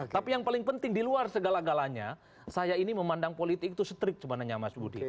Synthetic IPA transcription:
t̪apijaŋpalɪŋpənt̪ɪŋdiluarsəɡalaɡalaɲa | sajainiməmandaŋpolit̪ɪkit̪usət̪ɾɪk̚t͡ʃəmanaɲamasbudḭ

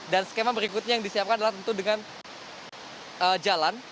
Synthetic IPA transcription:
dansə̥kemabəɾikʊt̪̚ɲajaŋdisiapkanadalaht̪ənt̪udəŋan | əːd͡ʒalan

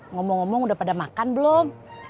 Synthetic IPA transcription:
ŋɔmɔŋɔmɔŋudahpadamakanbəlɔm

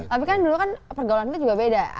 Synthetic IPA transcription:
t̪apikandulukanpərɡawulant̪ud͡ʒuɡabeda

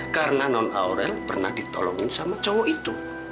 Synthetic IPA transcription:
karənanɔnʔa̰oɾɛlpərnahd̥it̪ɔlɔŋɪnsamat͡ʃɔwɔʔit̪u

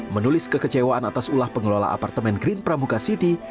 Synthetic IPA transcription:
mənulɪskəkət͡ʃewaʔanat̪asulahpəŋəlola̰ʔa̰part̪əmɛnɡɾɪnpɾamuɡasit̪i

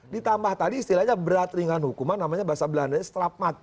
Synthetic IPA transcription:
dit̪ambaht̪adiːst̪ilahɲabəɾat̪riŋanhukumanːamaɲabaasabəlanaɲast̪ɾap̚mat̪̚

